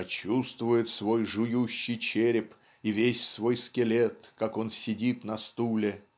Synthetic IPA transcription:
ɐt͡ɕust̪vʊjɪt̪svo̞jʐʊjuɕːɪjt͡ɕeɾʲɪp | ivʲesʲsvo̞jskʲɪlʲet̪kako̞nsʲɪdʲit̪nɐst̪ulʲɪ

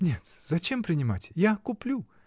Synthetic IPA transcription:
nʲe̞t̪z̥ɐt͡ɕe̞mpɾʲɪnʲɪmatʲjakʊplʲu

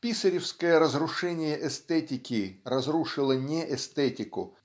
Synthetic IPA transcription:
pʲisəɾʲɪfskəjəɾəzrʊʂɛnʲɪjəʔɛst̪ɛtʲɪkʲɪrɐzɾuʂɨlˠənʲeʔɛst̪ɛtʲɪkʊ̰

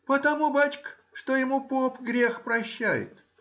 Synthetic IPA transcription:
pət̪ɐmubat͡ɕk | ʂt̪ojɪmupopɡɾʲexpɾɐɕːæjɪ̰t̪

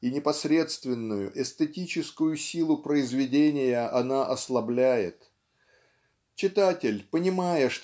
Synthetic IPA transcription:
inʲɪpɐsɾʲe̞t̪st̪vʲɪnːʊjʊ̰ʔɛst̪ətʲit͡ɕɪskʊjʊsʲilˠʊpɾəɪzvʲɪdʲenʲɪjəʔɐnaʔɐslˠɐblʲæjɪ̰t̪ | t͡ɕɪt̪atʲɪlʲpənʲɪmajəʂt̪

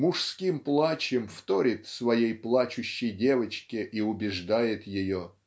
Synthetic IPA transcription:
mʊʂskʲimplˠat͡ɕɪmft̪oɾʲɪt̪svɐjejplˠat͡ɕʊɕːɪjdʲe̞vət͡ɕkʲɪʔiʊbʲɪʐd̪ajɪt̪jɪjo

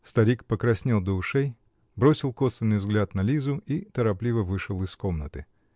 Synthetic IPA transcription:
st̪ɐɾʲikpəkɾɐsʲnʲelˠd̪əʊʂej | bɾo̞sʲɪlˠko̞sʲɪnːɨjvzɡlʲat̪nɐlʲizʊit̪əɾɐplʲivəvɨʂɨlˠɨsko̞mnət̪ɨ

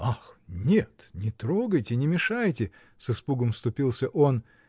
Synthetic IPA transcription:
axnʲet̪nʲɪt̪ɾo̞ɡəjtʲɪnʲɪmʲɪʂajtʲɪ | sɨspuɡəmfst̪ʊpʲilˠsʲəʔo̞n

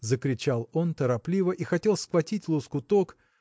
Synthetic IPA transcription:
zəkɾʲɪt͡ɕalˠo̞nt̪əɾɐplʲivəʔixɐtʲe̞lˠskvɐtʲitʲlˠʊskʊt̪ok

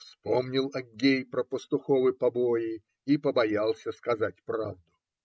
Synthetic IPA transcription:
fspomnʲɪlˠɐɡʲejpɾəpəst̪ʊxovɨpɐbojɪ | ipəbɐjalˠsʲəskɐzatʲpɾavd̪ʊ

